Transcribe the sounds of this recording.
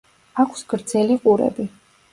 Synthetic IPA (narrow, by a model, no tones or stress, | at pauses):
akʰsɡ̥ɾd̪zɛliqʼuɾɛ̰bi